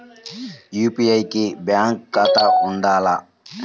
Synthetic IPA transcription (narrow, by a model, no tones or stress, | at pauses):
jupiajkebjaŋkːat̪aʊnɖ̪aːla